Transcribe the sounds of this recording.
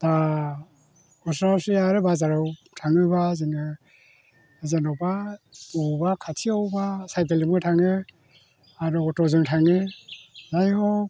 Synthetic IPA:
da | ɔsɾasiaɾɯbazaɾɔw | tʰaŋɯbaziŋɯ | zenɔwbaɔbakʰatʰiawbasajt̬elimɯtʰaŋɯ | aɾɔtɔzɯŋtʰaŋɯ | najhɔ

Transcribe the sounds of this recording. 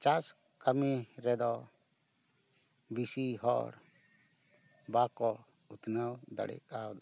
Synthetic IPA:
t͡ʃas | kamiɾɛd̪ɔ | bisiɦɔ̰ɽ | bakɔ | ut̪nawd̪a̰ɽɛ̰kawd̪a

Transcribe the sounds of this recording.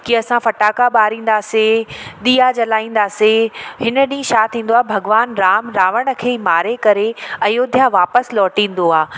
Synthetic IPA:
kiɐsãfɐʈaːkaɓaːɾĩːn̆d̪aːseɗ̪iːad͡ʑɐlaːĩːn̆d̪aːsehɪnə̆ɗĩːʃaːt̪ʰĩːn̆d̪oaːɦebʱɐɡʋaːnɾaːmɾaːʋəɽ̃ə̆kʰeːimaːɾekɐɾeɐjoːd̪ʱjaʋaːpəslɔːʈĩːn̆d̪oaː

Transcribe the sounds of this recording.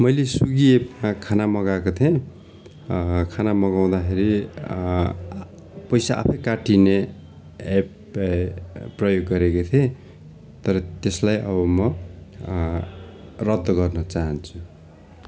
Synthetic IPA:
mʌjlesuɡiemakʰanamʌɡakot̪ʰe | kʰanamʌɡaw̃d̪akʰeɾi | pʌjsaʔa̰pʰʌjkaʈine | ep | pːrʌjoɡːʌɾekot̪ʰẽ | t̪ʌɾʌt̪eslajʔʌβʌmʌ | rʌd̪ʱːʌɡʌrnʌt͡saɦʌnt͡sʰu

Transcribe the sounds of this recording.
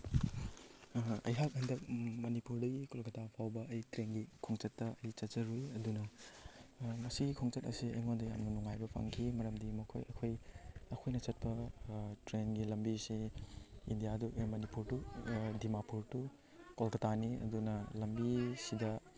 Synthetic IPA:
ɐ̰jɦakhɐndɐk̚mɐnipuɾdɐɡikolkɐtapʰawbɐʔɐjtɾenɡikʰoŋt͡ʃɐtːɐɐjt͡ʃɐt̚t͡ʃɐɾujɐdunɐ | mɐsiɡikʰoŋt͡ʃɐtɐ̰siɐ̰jŋondɐjamnɐnuŋajbɐpʰa̰ŋkʰimɐɾɐmdimɐkʰojɐkʰojɐkʰojnɐt͡ʃɐt̚pɐtɾenɡilɐmbisi | indijadumɐnipuɾtudimapuɾtu | kolkɐtaniɐ̰dunɐlɐmbisidɐ

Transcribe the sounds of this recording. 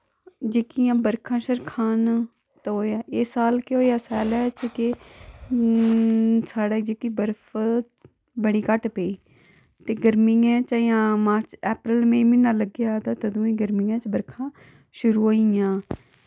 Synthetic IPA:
d͡ʒeːkijãːbəɾkʰãːʃəɾkʰaːn | t̪ɦoːjaːʔeːsaːlkeɦoːjaːsɛːlɛːt͡ʃkɪ | saːɽeːd͡ʒeːkiːbəɾpʰ | bəɽiːkəʈpeiː | t̪eːɡəɾmɪãːt͡ʃaːjãːmaːɾt͡ʃɛːpɾəlmẽːmɪnːãːləɡjaːt̪aːt̪əd̪õːĩːɡəɾmɪjãːt͡ʃbəɾkʰãː | ʃʊɾuːɦoijãː

